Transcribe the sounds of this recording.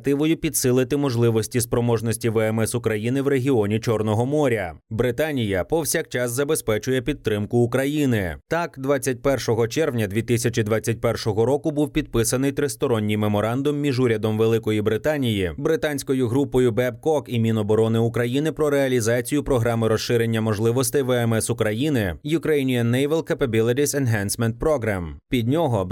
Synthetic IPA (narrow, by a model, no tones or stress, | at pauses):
t̪ɪʋɔjʊpʲid̪sɪlˠɪt̪ɪmɔʒlˠɪʋɔsʲtʲispɾɔmɔʒnɔsʲtʲiʋɛɛmɛsʊkɾɐjinɪwɾe̞ɦʲiɔnʲit͡ʃɔrnɔɦɔmɔɾʲɐbɾɪt̪anʲijɐpɔwsʲakt͡ʃɑszɐbespɛt͡ʃʊjɛpʲid̪t̪ːɾɪmkʊːkɾɐjinɪt̪ɑkd̪ʋat͡sʲːɐt̚ʲpɛrʃɔɦɔt͡ʃɛrʋnʲɐd̪ʲʋʲit̪ɪsʲɐt͡ʃid̪ʋat͡sʲːɐt̚ʲpɛrʃɔɦɔɾɔkʊbuwpʲid̪̚pɪsɐnɪjt̪ɾɪst̪ɔɾɔnʲːijmemɔɾɑnd̪ʊmːʲiʒuɾʲɐd̪ɔmʋelˠɪkɔjibɾɪt̪anʲijibɾɪt̪anʲsʲkɔjʊɦɾupɔjʊbɛb̚kɔkimʲinɔbɔɾɔnɪʊkɾɐjinɪpɾɔɾeɐlʲizɑt͡sʲijʊpɾɔɦɾɑmɪɾɔsʃɪɾenʲːɐmɔʒlˠɪʋɔst̪ɐjʋɛɛmɛsʊkɾɐjinɪjʊkɾɛjinʲijɐnːɛjʋɛlˠkɐpɐbʲilˠɪɾʲisɛnɦɛnsmɛnt̪̚pɾɔɦɾampʲid̪ʲnʲɔɦɔ